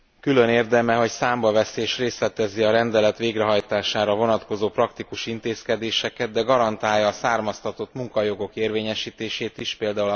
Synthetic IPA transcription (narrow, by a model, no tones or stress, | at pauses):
kylø̞neːrd̪ɛmɛɦo̞csaːmbɒvɛseːʃreːslɛt̪ɛziɒɾɛnd̪ɛlɛt̪ʋeːɡrɛɦɒjt̪aːʃaːɾɒvo̞nɒt̪ko̞zoːprɒkt̪ikuʃint̪eːskɛd̪eːʃɛkɛd̪̚d̪ɛɡɒɾɒnt̪aːjːɒːsaːrmɒst̪ɒt̪o̞t̪muŋkɒjo̞ɡo̞keːrveːɲɛʃiːt̪eːʃeːt̪iʃpeːld̪aːulɒ